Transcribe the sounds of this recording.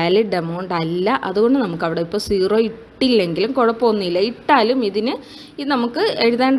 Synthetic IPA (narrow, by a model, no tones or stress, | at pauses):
aliɖemoːɳɖɐlːɐʔɐðuɣo̞ɳɖɨnɐmukːɐʋiɽeipːo̞ːsiːroːiʈːilːe̞ŋɡilumkoɻɐpːo̞ːnːilːɐiʈːaːlumiðinɨ | inɐmukːɨeɻuðeːɳɖ